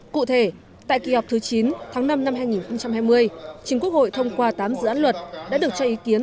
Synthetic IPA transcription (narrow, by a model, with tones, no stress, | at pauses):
kṵ˧˨t̪ʰe˧˩ | t̪a̰ː˧˨jki˨˩hɔ˨˩wk͡p̚t̪ʰɨ˨˦t͡ɕi˨˦nt̪ʰaː˨˦ŋna˧mna˧mɦaː˧jŋi˨˩nxə˧wŋ͡mt͡ɕa˧mhaː˧jmɨ˧əjt͡ɕï˨˦ŋku˦˥ək̚ho̰˧˨jt̪ʰə˧wŋ͡mkwaː˧t̪aː˨˦mzɨ̰˧˥ʔaː˧˥n̚lwə˨˩t̚ɗa̰˧˥ɗək̚t͡ɕɔ˧ʔi˨˦ki˨˦ən